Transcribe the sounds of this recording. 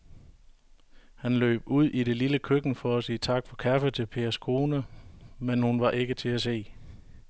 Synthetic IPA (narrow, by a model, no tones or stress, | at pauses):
hænlø̰ːb̥uð̞̰ˠʔiɾe̝liləkʰøɡ̥n̩fɒ̽æsiːt͡sʰɑ̈ɡ̥fɒ̽kʰæfət͡sʰe̝lpʰe̝ːɐskʰo̝ːnəmenhunʋɑ̈ʔe̝ɡ̥ət͡sʰe̝æse̝̰ː